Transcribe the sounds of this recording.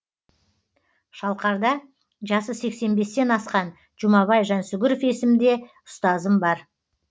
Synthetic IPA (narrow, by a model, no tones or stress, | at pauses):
ʃɑlˠqɑɾd̪ɑ | ʒɑsəse̞kse̞nbe̞st̪e̞nɑsqɑn | ʒ̥ʊmɑβɑjʒɑnsʊɡʲɪɾofe̞sɪmd̪e̞ | ʊ̥st̪ɑzəmbɑɾ